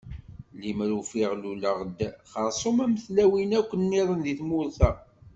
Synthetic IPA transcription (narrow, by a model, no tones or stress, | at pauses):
limɾufiʁluləʁd̪χəɾˤsˤomæmθlæwinækʷːənːiɾˤənðiθmʊɾθæ